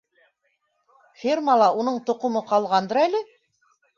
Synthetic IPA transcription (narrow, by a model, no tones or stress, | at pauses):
fʲirmalˠɑunɤɴt̪ŏqŏmɤqɑlˠʁɑnd̪ɤɾælɘ